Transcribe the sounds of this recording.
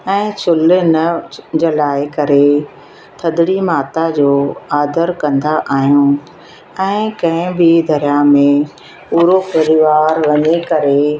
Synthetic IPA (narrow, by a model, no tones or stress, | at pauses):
ɛ̃ːt͡ɕʰʊlɪnɐd͡ʑɐlaːɪkɐɾe | t̪ʰɐd̪ɽimaːt̪ad͡ʑoːaːd̪əɾkɐ̃nd̪aʔaːɦijũ | ɛ̃ːkɐ̃ɦɪ̃bʱid̪ʱɐɾjamẽ | puːɾopɐɾɪʋaːɾʋɐɲekɐɾe